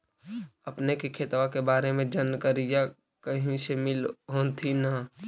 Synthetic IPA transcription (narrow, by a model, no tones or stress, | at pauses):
əpnekikʰeːt̪ʋakebaːɾemẽd͡ʒənkəɾija | kəɦĩsemɪlɦoːnt̪ʰina